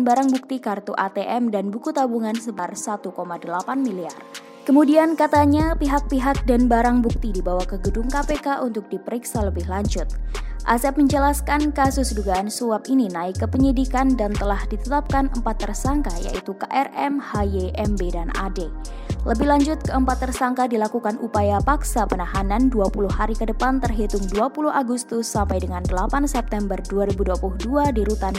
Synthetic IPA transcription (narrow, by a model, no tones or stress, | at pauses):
nbaɾaŋbuk̚t̪ikart̪uʔat̪eʔɛmdanbukut̪abuŋansəbarsat̪ukomadəlapanmilia̰r | kəmudiankat̪aɲapiɦak̚piɦak̚danbaɾaŋbuk̚t̪idibawahkəɡədʊmkapekaʔunt̪ʊk̚dipəɾiksaləbɪhlaɲd͡ʒʊt̪̚ʔa̰sɛp̚məɲd͡ʒəlaskankasʊsduɡaːnsuap̚ininaɪkːəpəɲidikandant̪əlahdit̪ət̪ap̚kanəmpat̪ːərsaŋkaja̰ʔit̪ukaʔɛrɛmhajeʔɛmbedanʔa̰de | ləbɪhlaɲd͡ʒʊt̪̚kəəmpat̪ːərsaŋkadilakukanʔupajapaksapənaɦananduapuluhaɾikədəpant̪ərɦit̪ʊŋduapuluhaɡust̪ʊsːampajdəŋandəlapansɛp̚t̪ɛmbərduaɾibuduapuluhduadiɾut̪an